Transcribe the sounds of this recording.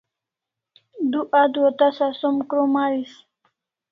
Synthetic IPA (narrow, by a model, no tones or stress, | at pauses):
d̪uʔad̪wot̪asasomkɾomaɾis